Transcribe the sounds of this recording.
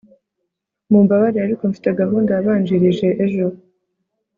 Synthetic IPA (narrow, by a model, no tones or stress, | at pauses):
mumbaβaɾiaɾiko̞ɱfi̥teɡaɦuːndaaβaːnd͡ʒiɾiʒe̞ʔeʒo